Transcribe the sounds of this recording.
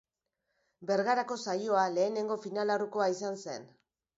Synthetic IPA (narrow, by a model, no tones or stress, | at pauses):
be̞ɾɣaɾako̞sajo̞ale̞ːne̞ŋɡo̞finalaruko̞aisanse̞̰n